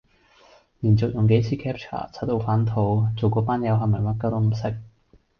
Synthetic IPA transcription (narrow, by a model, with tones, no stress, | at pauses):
liː˨˩nt͡sʊ˨k̚jʊ˨˩ŋke˨˥jt͡sʰiː˨˧kʰɛː˥p̚t͡ʃʰa̰ː˨˩t͡sʰa˨˥t̪o˧wfaː˨˥nt̪ʰo˧wt͡so˨˩wkɔː˨˥paː˥njɐ˨˧wɦɐ˨˩mɐ˨˩jmɐ˥t̚ka˥wt̪o˧˥m̩˨˩sɪ˥k̚